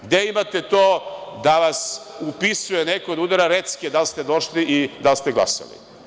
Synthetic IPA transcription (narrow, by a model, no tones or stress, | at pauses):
ɡd̪eimat̪et̪oːd̪aʋasupisujenekood̪ud̪aɾaɾet̪skied̪alst̪ed̪oʃliʔid̪alst̪eɡlˠa̰sa̰lḭ